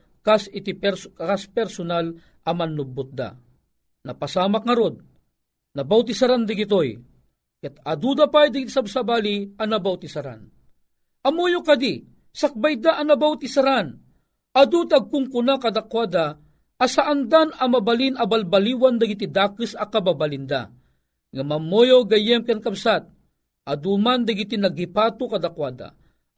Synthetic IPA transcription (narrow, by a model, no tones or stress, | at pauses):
kasɪt̪ipɛɾkaspɛɾsʊnal | ʔɐmɐnːʊbʊt̪̚d̪a̰ | nɐpɐsaːmak̚ŋɐɾod̪̚ | nɐbawt̪isaɾand̪aɡit̪oj | kɛt̪ɐd̪ud̪apajd̪aɡit̪i̥sabsabaːliɐnɐbawt̪isaɾa̰n | ʔɐmojokɐd̪i | sɐk̚bajd̪aʔːnɐbawt̪isaɾan | ad̪ut̪aɡ̚kʊŋkunakad̪akwad̪aː | saʔand̪anɐmabalinɐbalbaliwand̪aɡit̪id̪aːkɨsɐkababalind̪a̰ | ŋamɐmojoɡɐjɛmkankɐbsat̪̚ | ʔad̪umand̪ɐɡit̪inɐɡipat̪ukɐd̪akwad̪a̰